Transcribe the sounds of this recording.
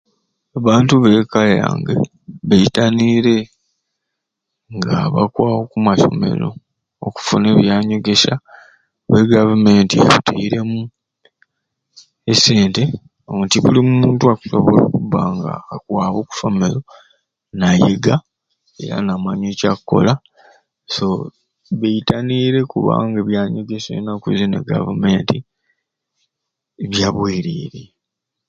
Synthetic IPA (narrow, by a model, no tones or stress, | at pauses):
aβaːntuβe̞ːkalea̰ːŋɡḛ | βeitaniɾe̞ | ŋɡaβa̰kwaːwo̞kumaso̞̰me̞̰ɾo̞̰ | oku̥fune̞ːβjaːɲo̞ɡe̞sa | βeɡavume̞ntija̰βutiɾe̞mu | ese̞ːnte̞ | ontiβulimumuːntuaku̥so̞βolo̰kuβaːŋɡa̰ːkwaːβo̞ːku̥fomelo̞ | najḛɡa | e̞̰ɾa̰namaɲecakkːo̞̰la | so̞ | βeitaniɾe̞kuβa̰ŋɡaβjaɲeɡesḛjnakuzinḛɡa̰vume̞ːnti | βjaβwiːɾiːɾe